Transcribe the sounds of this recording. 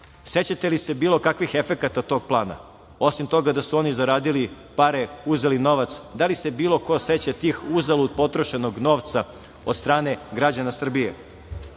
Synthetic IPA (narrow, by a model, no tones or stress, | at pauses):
set͡ɕat̪e̞lise̞biːlo̞kakʋixefe̞kat̪at̪o̞ːɡ̚plˠaːna̰ | o̞simt̪o̞ɡad̪asuo̞nizaɾaːd̪ili | paɾeuzelino̞ʋat̪sd̪alise̞biːlˠo̞ko̞set͡ɕat̪iːxuzalˠud̪̚po̞t̪ɾo̞ʃe̞noɡno̞ːʋt̪sa | od̪̥st̪ɾaːne̞ɡɾad͡ʑanasr̩bijḛ